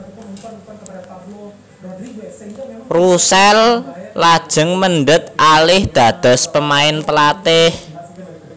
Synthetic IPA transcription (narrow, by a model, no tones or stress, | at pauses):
rusɛllad̥ʒ̥ə̤ŋmənɖət̪̚ʔalɪhd̪̥a̤d̪̥ɔ̤spəmaɪnpəlat̪ɪh